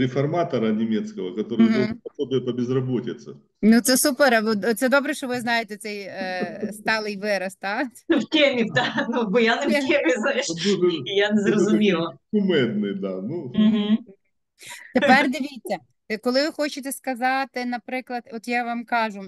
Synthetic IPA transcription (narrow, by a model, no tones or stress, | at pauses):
ɾʲɪfɐrmat̪ɐɾɐnʲɪmʲet̪skəʋəkɐt̪oɾɨjopɐsobʲɪɛt̪ɐbʲɪzrɐbotʲɪt̪sə | nut̪sɛsupeɾɐʋt̪sɛd̪obɾɛʃɔʋɪznɑjet̪ɛt̪sɛj | st̪ɑlˠɪjʋɪɾɐst̪ɑfkʲemʲid̪anubʊjanɪkʲemʲiznajɪʃijanɛzrɐzʊmʲilˠɐkʊmɛd̪̚nɨjd̪anum̩ɦ̩ | t̪epɛrd̪ɪʋʲijt͡sʲːɐ | kɔlˠɪʋɪxot͡ʃɪt̪ɛskɐzɑt̪ɪnɐpɾɪklˠɐd̪ɔt̪jaʋɑmkɑʒʊ